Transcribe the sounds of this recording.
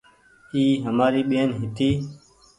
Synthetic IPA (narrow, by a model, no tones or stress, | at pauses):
iːɦəmaːɾiːɓeːnɦɪt̪iː